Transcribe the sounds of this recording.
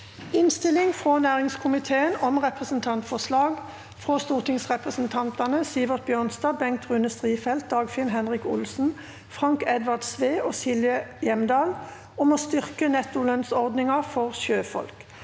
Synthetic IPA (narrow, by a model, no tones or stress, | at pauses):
ɪnst̪ɪlɪŋfʁonæːʁɪŋskʰʊmɪt̪ʰeːənɔmʁɛpʁəsnt̪ʰɑnt̪fɔslɑːɡ | fʁoːst̪uːʁt̪ʰɪŋsʁɛpʁəsn̩t̪ʰɑnt̪ɑnəsiːʋəʁt̪̚bjøːʁnst̪ɑːbɛŋk̚t̪ʁʉnəst̪ʁiːfɛlt̪̚d̪ɑːɡfɪlnɦɛnʁɪkʊ̰lsn̩ | fʁɑŋkɛd̪ʋɑʁd̪sʋeːoːsɪljəjɛmd̪ɑːl | ɔmoːst̪ʏʁkənɛt̪ːʊlœnsɔʁd̪nɪŋɑfɔʁʃøːfɔ̰lk